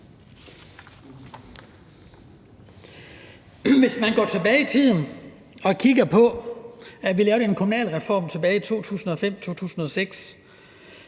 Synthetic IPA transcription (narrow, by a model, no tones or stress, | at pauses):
ʋe̝smænɡ̥ɒ̰ːt͡sʰe̝b̥ɛːɪit͡sʰið̰ˠn̩ | ɒ̽kʰiɡ̥ɐpʰɒ̽ | æʋilɛːʊɐɾeenkʰomunɛ̰ːlʁɛfɒ̰ːmt͡sʰe̝b̥ɛːɪit͡sʰo̝̰ːt͡sʰṵːsn̩ɒ̽fem̰t͡sʰo̝̰ːt͡sʰṵːsn̩ɒ̽seɡ̥s